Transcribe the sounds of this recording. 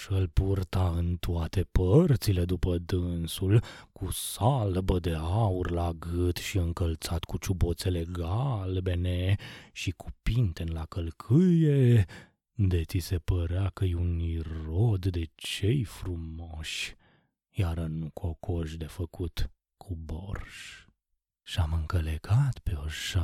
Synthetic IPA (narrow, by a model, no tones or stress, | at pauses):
ʃəlpurt̪aɨnt̪uat̪e̞pərt̪sile̞d̪upəd̪ɨnsulkʰusalbəd̪e̞aurlaɡɨt̪ʃiɨŋkəlt̪sat̪kut͡ʃubo̞t̪se̞le̞ɡaalbe̞ne̞ʃiku̥pint̪enlakəlkʰɨje | d̪et̪ise̞pəɾeakəjeuniro̞d̪d̪e̞t͡ʃe̞jfɾumoʃ | jaɾənukʰokʰoʃd̪e̞fəkut̪ | kʰubo̰rʃ | ʃamɨŋkəleɡat̪peoʃa